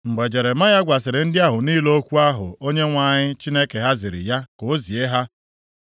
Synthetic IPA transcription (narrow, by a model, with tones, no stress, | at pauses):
ŋ͡m̩˨ɡ͡be˨d͡ʒe˨ɾe˨ma˦ja˦ɡʷa˨s̬ɪ˨ɾɪ˨n̩˦dɪ˦a˦ɦʊ˨ni˦lo˦o˦kʷu˦a˦ɦʊ̰˨o˦ɲe˦ŋʷa˨ɲɪ˦t͡ʃi˦ne˦ke˨ɦa˦zɪ˨ɾɪ̰˨ja˦ko˨o˦zi˨e˦ɦa˦